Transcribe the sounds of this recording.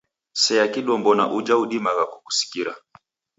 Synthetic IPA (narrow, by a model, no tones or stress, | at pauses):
sɛakiɗɔmbɔna̰ʔud͡ʒauɗimaɣakuku̥si̥kiɾa̰